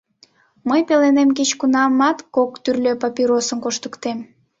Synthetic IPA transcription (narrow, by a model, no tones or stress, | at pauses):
məjpelenemk̬et͡ɕkunɑmɑt̪kokt̪yrlʲøpɑpiɾosənkoʃt̪əkt̪em